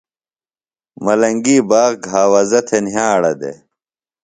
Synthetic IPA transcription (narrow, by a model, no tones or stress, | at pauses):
mɐlɐŋɡiːbaːɣɡʱaːwɐzɐt̪ʰenɦjãːɐɽɐd̪ḛ